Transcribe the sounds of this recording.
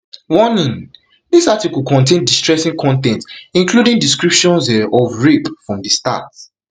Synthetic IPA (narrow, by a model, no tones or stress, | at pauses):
wɔnĩn | disatikɔlˠkɔ̃ntẽndistɹɛsĩŋkʰɔ̃ntɛ̃ntĩŋkludĩŋdiskɹipʃɔ̃nsɔvɹepfɹɔ̃mdəsta̰t